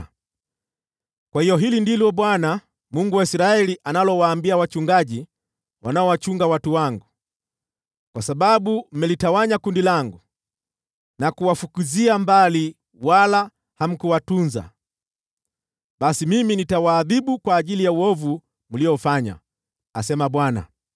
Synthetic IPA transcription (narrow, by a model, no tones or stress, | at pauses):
kwahijɔɦilindilɔɓwana | muŋɡuwaisɾaɛliʔanalɔwaːmbiawat͡ʃuŋɡaʄi | wanaɔwat͡ʃuŋɡawatuwaŋɡu | kwasaɓaɓum̩mɛlitawaɲakundilaŋɡu | nakuwafukuziambali | wala | ham̩kuwatunza̰ | ɓasimiminitawaːðiɓukwaːʄilijauɔvu | muliɔfaɲa̰ | asɛmaɓwana̰